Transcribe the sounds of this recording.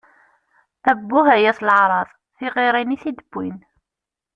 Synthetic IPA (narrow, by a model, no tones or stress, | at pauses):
æbːʊhæjæslʕɾˤɑðˤ | θiʁiɾˤiniθid̪əbːin